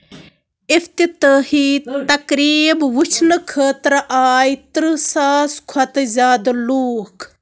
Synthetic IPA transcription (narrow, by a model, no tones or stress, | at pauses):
ift̪it̪əːhit̪ɐkɾiːbʋut͡ʃʰnɨkʰəːt̪ɾʔaːjt̪ɾɨsaːskʰɐt̪zʲaːd̪luːk